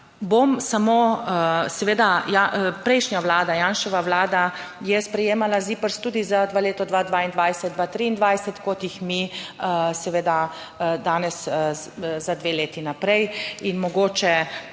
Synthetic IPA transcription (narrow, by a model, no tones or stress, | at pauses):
bomsamoːsɛʋeːd̪ajapɾɛjʃnjaʋlaːd̪ajaːnʃɛʋaʋlaːd̪ajɛspɾɛjeːmalaziːpəɾst̪uːd̪izad̪ʋaleːt̪ɔd̪ʋad̪ʋaːind̪ʋajsɛt̪̚d̪ʋat̪ɾiind̪ʋajsɛt̪kot̪jixmi | sɛʋeːd̪a | d̪aːnɛs | zad̪ʋeːleːt̪inapɾɛjinmɔɡoːt͡ʃɛ